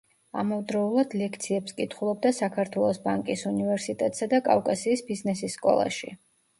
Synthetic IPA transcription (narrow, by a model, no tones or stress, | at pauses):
a̰mɔvd̪ɾɔulˠad̪lɛkʰt̪sʰiɛpskʼit̪ʰχulˠɔb̚d̪asakʰaɾt̪ʰwɛlˠɔsbaŋkʼisunivɛɾsit̪ʼɛt̪ʼsad̪akʼa̰fkʼasiːsbiznɛsisːkʼɔ̰lˠa̰ʃḭ